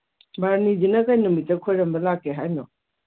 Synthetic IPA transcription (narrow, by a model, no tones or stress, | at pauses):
baɾnid͡ʒinɐkajnɔmitɐkʰojɾɐmbɐlakːeɦajnɔ